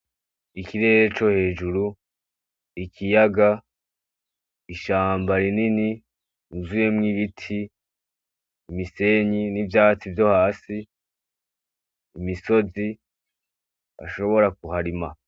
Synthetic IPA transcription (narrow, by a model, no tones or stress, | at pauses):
ikiɾe̞ːɾet͡ʃo̞he̞ːd͡ʒuɾu | ikʰijaɡa | iʃaːmbaɾinini | inzuje̞mŋiβitʰi | mise̞ɲinivjaːt͡sivjo̞haːsi | miso̞zi | a̰ʃo̞βo̞ɾak̚uhaɾima